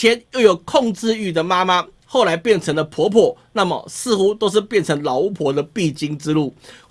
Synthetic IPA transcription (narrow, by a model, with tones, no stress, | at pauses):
jɛ˧˥njo˥˩ʊjo˨˩ʊkʰɔ˥˨ŋʈ͡ʂɻ̩˥˧y˨˩d̪ə˩ma˥ma˦ | xo˥˩ʊla˧˥ɪpjɛ˥˩nʈ͡ʂʰɤ˧˥ŋlə˨pʰwɔ˧˥pʰwɔ˨˩˦na˥˩mə̰˨˩sɹ̩˥˧xu˦t̪o˥ʊʂ̬ɻ̩˥˧pjɛ˥˩nʈ͡ʂʰɤ˧˥ŋlɑ˨˥ʊu˥˩pʰwɔ˧˥d̪ə˧pi˥˨t͡ɕi˦ŋʈ͡ʂɻ̩˦lu˥˩